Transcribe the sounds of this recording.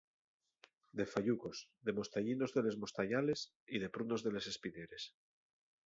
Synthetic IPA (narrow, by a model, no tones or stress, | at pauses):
d̪e̞faʎuko̞zðe̞mo̞st̪aʎino̞zðe̞le̞zmo̞st̪aʎale̞s | iðe̞pɾuno̞zðe̞le̞se̞spineɾe̞s